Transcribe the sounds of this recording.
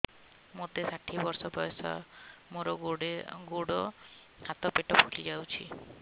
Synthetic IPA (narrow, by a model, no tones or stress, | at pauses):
mot̪esaʈʰibɔɾsɔbɔjɔsɔ̰moɾɔɡoɽeɡoɽɔ | hat̪ɔpeʈɔpʰulid͡ʒawt͡ʃʰḭ